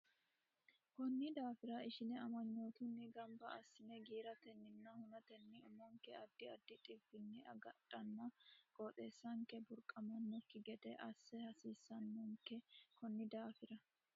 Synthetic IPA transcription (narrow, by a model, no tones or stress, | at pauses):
kɔnːɪd̪aːfɪɾɐɪʃɪnɛɐmɐɲːoːt̪ʊnːɪɡɐmbɐɐsːɪnɛɡiːɾɐt̪ɛnːɪnːɐhʊnɐt̪ɛnːɪʊmɐŋkɛɐd̪ːɪɐd̪ːɪt̪ʼɪbɪnːɪʔɐɡɐtʼːɐnːɐkʼoːt̪ʼe̞ːsːɐŋkɛbʊɾkʼɐmɐnːɔkːɪɡɛd̪ɛʔɐsːɛhɐsiːsːɐnːɔŋkːɛkɔnːɪd̪aːfɪɾɐ